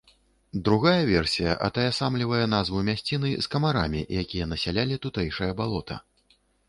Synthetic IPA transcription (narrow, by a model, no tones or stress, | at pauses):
d̪ɾuɣajɐvʲɛrsʲijɐʔɐ̰t̪ajɐsamlʲivɐjɛn̪azvumʲasʲt͡sʲin̪ɨskɐmaɾamʲiʔjakʲijɐnɐsʲalʲalʲit̪ut̪ɛjʂɐjɐbalˠɔt̪ʰɐ̰